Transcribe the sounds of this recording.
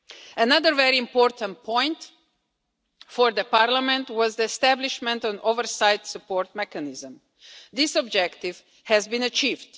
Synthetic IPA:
ʔənʌðəɹvɛɹiɪ̃mpɔɹtʰə̃nt̚pʰɔ̃ɪ̃nt | fɔɹðəpaɹlamɛ̃ntwɔzðiɛstæblɪʃmɛ̃ntɔ̃novəɹsaɪdsəpɔɹt̚mɛkənɪzə̃m | ðɪsɔb̚d͡ʒɛktɪv | hɛzbĩnət͡ʃiːvd̥

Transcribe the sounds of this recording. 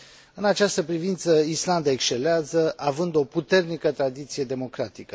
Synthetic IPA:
ɨnat͡ʃast̪əpɾivint̪səisland̪aekʃt͡ʃe̞leazəʔavɨnd̪o̞put̪e̞rnikət̪ɾad̪it̪sije̞d̪e̞mo̞kɾat̪ikə

